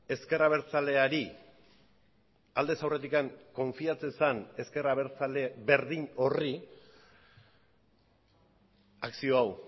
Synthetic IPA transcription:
e̞ske̞raβ̞e̞ɾt͡sale̞aɾi | ald̪e̞sawre̞t̪̬ikaŋko̞ɱfiat͡se̞sane̞ske̞raβe̞ɾt͡sale̞βe̞ɾðino̞ri | aksio̞aw

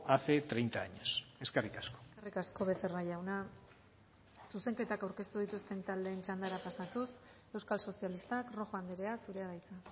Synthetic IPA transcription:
ape̞t̪ɾe̞jnt̪aːɲoseskerikasko̥serikasko̞βe̞se̞rajawna | suse̞ŋke̞t̪akawɾke̞st̪uð̞it̪ust̪e̞nt̪ald̪e̞ːnt͡ʃand̪aɾapasat̪us | e̞wskalso̞sialist̪akro̞xoand̪eɾeasuɾe̞aɾajt͡sa

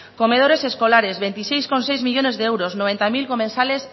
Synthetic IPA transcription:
komeð̞oɾeseskolaɾezβent̪isejskonsejzmiʎonezðeɛwɾosnoβ̞ent̪amilkomẽnsales

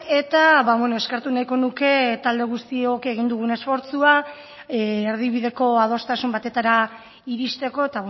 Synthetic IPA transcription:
e̞t̪aβaβweno̞e̞skeɾt̪unajko̞nuke̞t̪ald̪e̞ɣ̞ust̪io̞keɣ̞ind̪uɣ̞une̞sfo̞ɾt͡sua | eɾð̞iβ̞iðe̞ko̞að̞ost̪asumbat̪e̞t̪aɾa | iɾist̪e̞ko̞e̞t̪a

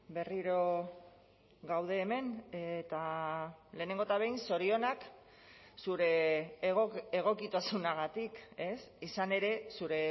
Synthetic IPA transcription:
be̞riɾo̞ | ɡawð̞e̞ːme̞net̪a | le̞ːne̞ŋɡot̪aβ̞e̞jnso̞ɾio̞nak | suɾe̞ɣeɣ̞o̞kit̪asunaɣat̪ike̞sisane̞ɾe̞suɾe̞

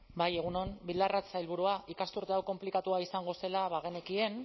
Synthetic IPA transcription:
baje̞ɣ̞uno̞nbild̪arat͡sajlβ̞uɾuaʔikast̪uɾt̪eawko̞mplikat̪uaisaŋɡo̞se̞laβaɣ̞e̞ne̞kie̞n

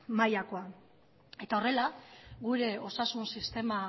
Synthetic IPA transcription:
majako̞a | e̞t̪ao̞re̞laɣuɾe̞o̞sasunsist̪e̞ma

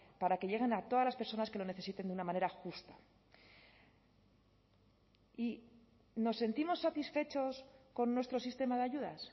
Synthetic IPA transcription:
paɾake̞ʝe̞ɣ̞e̞nat̪o̞ðazlaspe̞ɾso̞naske̞lo̞ne̞θe̞sit̪e̞nd̪eunamãne̞ɾaxust̪ḁ | i | no̞sːe̞nt̪imo̞sːat̪isfe̞t͡ʃo̞sko̞nːwe̞st̪ɾo̞sist̪e̞maðeaʝuðas

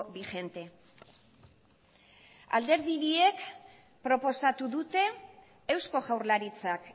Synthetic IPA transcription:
βixe̞nt̪e̞ | a̰ld̪e̞ɾðiβie̞k | pɾo̞po̞sat̪uðut̪e̞ː | wsko̞ɣawɾlaɾit͡sak

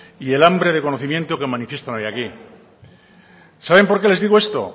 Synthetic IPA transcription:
ie̞lambɾeð̞eko̞noθimje̞nt̪okemãnifje̞st̪onojaki | saβ̞e̞mpoɾke̞le̞zðiɣoe̞st̪o̞̰

